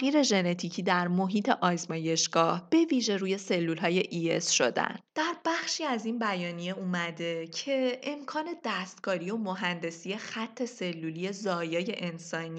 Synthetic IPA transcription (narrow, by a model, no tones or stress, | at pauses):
ɣiːɾe̞ʒe̞ne̞t̪ʰicʰiːd̪æɾmo̞ɦiːt̪ʰe̞ʔɒːzmɒːje̞ʃɡ̥ɒːhb̥e̞viːʒe̞ɾuːje̞se̞lːulɦɒːje̞ʔiḛsʃo̞d̪æ̰nd̪̥æɾbæxʃiːæzinbæjɒːnije̞uːmæd̪e̞cʰe̞ʔemkʰɒːne̞d̪̥æst̪kʰɒːɾio̞mo̞ɦænd̪e̞sije̞xæt̪ʰːe̞se̞lːulije̞zɒːjɒːje̞ʔensɒːni